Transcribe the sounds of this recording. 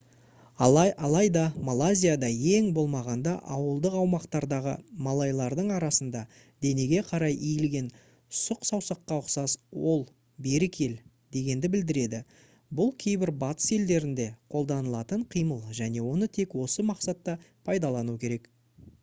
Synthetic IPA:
ɑɑɑlˠɑjd̪ɑmalˠazʲijad̪ɑe̞ŋbo̞lˠmɑʁɑnd̪ɑʔɑwəlˠd̪əqɑwmɑqt̪ɑɾd̪ɑʁə̰mɑlˠɑjlˠɑɾd̪əɴɑɾɑsənd̪ɑ | d̪̥e̞ne̞ɡʲe̞qʰɑɾɑjʔijɪlɡʲe̞n | sʊqsɑwsɑqːɑʊqsɑswo̞lˠ | be̞ɾɪkʲʰe̞l | d̪e̞ɡʲe̞nd̪ɪbɪld̪ɪɾe̞d̪ɪ | bʊlˠkʲʰe̞jbɪɾbɑt̪ə̥se̞ld̪e̞ɾɪnd̪e̞qʰo̞lˠd̪ɑnəlˠɑt̪əɴqʰijməlˠʒæne̞wo̞nət̪ʰe̞kwo̞səmɑqsɑt̪ːɑpʰɑjd̪ɑlˠɑnukʲʰe̞ɾe̞k

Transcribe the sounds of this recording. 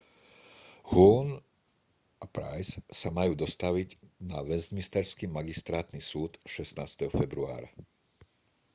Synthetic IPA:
huːn | ʔapɾa̰jssamajuːd̪ɔst̪aʋiɟnaʋɛzɟmist̪ɛɾskimaɡist̪ɾaːt̪nisuːt̪ʃɛst̪naːst̪ɛɦɔfɛbɾua̰ːɾa̰

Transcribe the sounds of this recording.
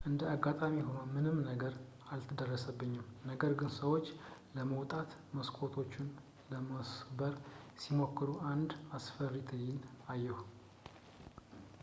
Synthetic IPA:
ʔɨnd̪əaɡːat̪ʼamiɦo̞nəmɨnɨmnəɡəɾ | alt̪ʰɨd̪ərːəsəbːɨɲːɪmnəɡəɾɡɨnsəwo̞t͡ʃːləməwt̪ʼat̪məskʰʼo̞t̪ʰo̞t͡ʃːɪn | ləməsbəɾsimo̞kʰːɨɾuʔand̪asfərit̪ʰəɲːɪnajːɛhu

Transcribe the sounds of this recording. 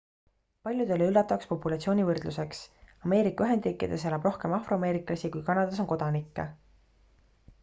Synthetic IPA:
pɑlʲjud̪e̞lːeylːɑt̪ːˑɑɑkspo̞pːˑulɑt̪sio̞ːnʲivɤrd̪̥luse̞ksɑme̞ːɾikːˑɑyɦe̞nd̪riːkːˑid̪̥e̞s̬elɑb̥ro̞hke̞mɑfroɑme̞ːɾikˑlɑsikujkɑnɑd̪ɑs̬o̞nko̞d̪ɑnikːe

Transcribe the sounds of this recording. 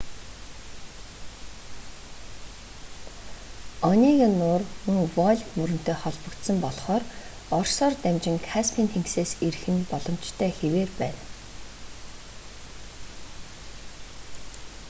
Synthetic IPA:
ɔniːɣenːʊːrmuŋwɔɮʲmɵɾɵ̆n̥t̪ʰeːχɔɮpɞ̆kt̪sə̆mpɔɮχɔːr | ɔrsɔːrt̪æmt͡ɕɪ̆ŋkʰaspʰint̪ʰeŋkseːseɾxɘ̆npɔɮɞ̆mt͡ɕt̪ʰœːxeweːrpæːn

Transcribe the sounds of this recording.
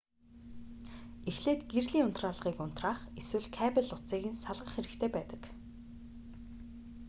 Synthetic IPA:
exɮeːt̪ɡerɮiːŋʊn̥t̪raːɮə̆ʁiːkʊn̥t̪raːχeswɘ̆ɮkʰæːpʲɪ̆ɮʊt͡siːɣɘ̆nsaɮʁə̆χxeɾɘ̆kt̪ʰeːpæːt̪ə̥̆k

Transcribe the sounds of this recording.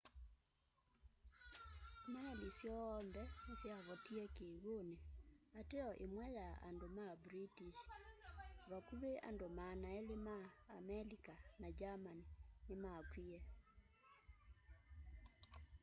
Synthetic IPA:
mwɛlisjɔːnðɛesjaβɔtiɛkeɣoneateɔʔemwɛjaa̰ndomabɾitiʃ | βakuβea̰ndomanaelemaːmɛlikanad͡ʒamaninemakwiɛ

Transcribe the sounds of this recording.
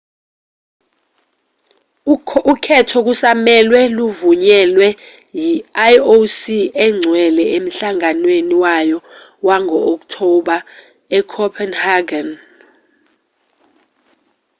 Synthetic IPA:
ukʰɛtʰɔk̬usamɛlwɛluvuɲɛlwɛ | jiajosiɛŋ͡ǀʱwɛlɛem̩ɬaŋanweniwajɔ | waŋʱɔːk̬tʰɔɓa | ɛkʰɔpʰɛnhaɡan

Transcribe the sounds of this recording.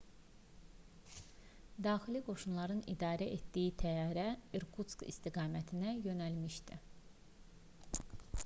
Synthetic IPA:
d̪ɑːxiliɡo̞ʃunlˠɑɾɯnḭd̪ɑːɾæʔet̪d̪ijit̪ʰæjɑːɾæeɾkʰut̪skḭst̪iɡɑːmæt̪ʰinæjø̞nælmiʃd̪i

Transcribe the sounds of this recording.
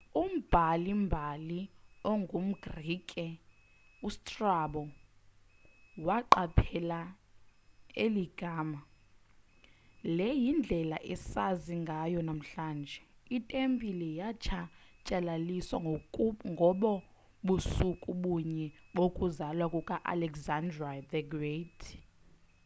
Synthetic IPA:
um̩b̥ʱalimbʱaliɔŋɡʱum̩ɡrikʼɛ | ustʼraɓɔ | waǃapʰɛla | eliɡ̥ʱaːma | lɛjind͡ɮʱɛla̰ʔɛsaziŋɡʱajɔnam̩ɬaːnd͡ʒʱɛitʼempʼilɛjat͡ʃʰat͡ʃʼɛlaliswa̰ŋɡʱɔɓɔ | ɓusukʼuɓuɲɛɓokʼuzalwakʼukʼaʔa̰lɛkzandradɛɡretʰ

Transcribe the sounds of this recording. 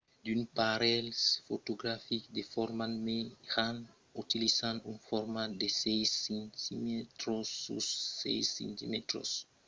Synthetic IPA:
d̪ynpaɾɛlsfot̪oɡɾafikd̪efɔɾmanmehan | ut̪ilisãnunfɔɾmad̪esɛjsent̪imet̪ɾosṵsːɛ̰jsḭ̃nt̪ḭmet̪ɾo̰s

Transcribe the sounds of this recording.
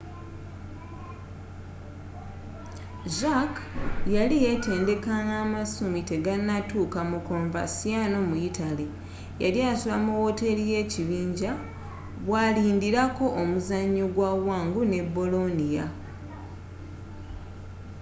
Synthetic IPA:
ʒakjalije̞te̞ːnde̞kaŋamasumite̞ɡanːatukamukoɱva̰sijano̞muitali | ja̰ljasuβamuwo̞te̞lije̞ːciβiːɲɟa | βwaliːndiɾako̞ʔomuzaɲːoɡwawaːŋɡune̞bo̞lo̞nija

